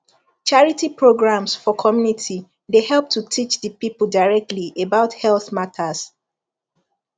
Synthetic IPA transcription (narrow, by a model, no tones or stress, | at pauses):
t͡ʃaɹitipɹoɡɹãmsfɔkʰɔmjunitʰi | dehɛlˠp̚tʰutʰit͡ʃðəpipldaɪɹɛk̚tliʔebaʊthɛlθmatʰas